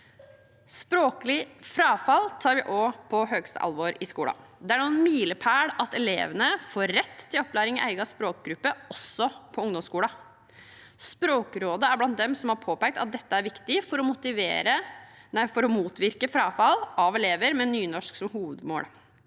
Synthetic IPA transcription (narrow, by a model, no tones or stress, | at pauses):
spɾoːklɪfɾɑːfɑlt̪ʰɑːɾʋɪʔoːpʰɔɦøːɡst̪ə̰ʔɑ̰lʋoɾɪskuːlɑ̰d̪ɛæɳuːənmiːləpʰæːɽɑt̪ɛlḛːʋənəfoːɾːɛt̪ʰːɪlɔpːlæɪɾɪŋɪʔæ̰ɪɡɑspɾoːk̚ɡɾʉpːəɔsɔpʰɔʊŋd̪ɔmskuːlɑ | spɾoːkɾoːd̪əæɾblɑnt̪̚d̪ɛmsɔmhɑɾpʰoːpæɪk̚t̪ɑt̪̚d̪ɛt̪ːəæɾʋɪkt̪ɪfɔɾɔmʊt̪ɪʋḛːɾənæɪfɔɾɔmuːt̪ʋɪɾkəfɾɑːfɑlɑʋɛleːʋəɾmɛnyːnɔʂksɔmhuːʋəd̪mo̰ːɽ